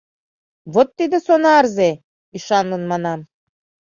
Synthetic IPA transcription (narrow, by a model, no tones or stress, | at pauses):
βot̪ːid̪ɘsonɑːɾze | iʃɑnlˠɤ̆nmɑnɑm